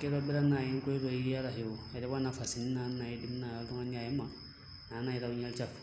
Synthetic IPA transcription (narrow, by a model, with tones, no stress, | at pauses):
ke˦ɾɔ˦bi˦ɾa˦na˨i˦ŋ˦ko˦i˦do˨i˦ɾi˦ja˦ɾa˨ɦe˨wo˨e˨ɾɛ˦ba˦na˨fa˨si˨ni˦na˨˦nna˨je˦di˦m˦na˨a˨ltɔ˦ŋa˦ni˦a˨je˦ma˦ | naː˨˦na˦˨i˨ɾa˨u˦ɲɛ˦lt͡ʃa˦f